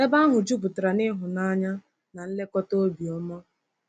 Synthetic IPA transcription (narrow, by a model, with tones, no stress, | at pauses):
e˦ba˦ɦʊ˨d͡ʒu˦bʊ˨tʊ˨ɾa˨nɪ˦ɦʊ˨na˦ɲa˦ | na˨n̩˦le˦kɔ˦to˦bi˨ɔ˦mɔ˦